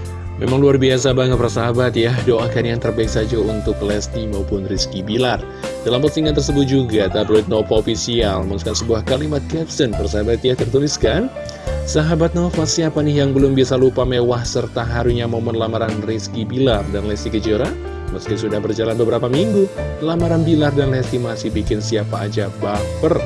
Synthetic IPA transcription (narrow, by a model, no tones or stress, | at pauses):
mḛmaŋluarbias̬abaŋət̪pərsaɦabat̪jahdoʔakanjaŋt̪ərbaɪiksad͡ʒaunt̪ʊklɛst̪imaupʊnriskibilar | dalampərsiŋant̪ərsəbʊt̪̚d͡ʒuɡat̪ablojt̪̚nopaofisialmasukansəbuahkalimat̪̚kɛpsənpərsaɦabat̪jaht̪ərt̪uliskan | saɦabat̪̚nofasiapanɪhjaŋbəlʊmbiasalupamewahsərt̪aɦaɾuɲamomɔnlamaɾanriskibilardanlɛst̪ikəd͡ʒoɾa | məsk̪ɪsudahbərd͡ʒalanbəbəɾapamiŋɡulamaɾanbilardanlɛst̪imasɪhbikɪnsiapaːd͡ʒabapər